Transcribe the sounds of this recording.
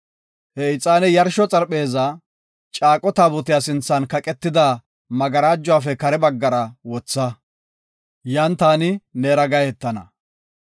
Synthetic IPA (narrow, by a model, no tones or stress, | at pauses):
hɛɪt͡sʼːaːnɛjɐɾʃɔt͡sʼɐɾpe̞ːza | t͡ʃʼaːkʼɔt̪aːbʊt̪ɪjaːsɪnt͡sːɐnkɐkʼɛt̪ːɪd̪a | mɐɡɐɾaːd͡ʒːʊwaːfɛkɐɾɛbɐɡːɐɾɐwɔt͡sːɐ | jant̪aːnɪneːɾɐɡɐjɛt̪ːɐnɐ̰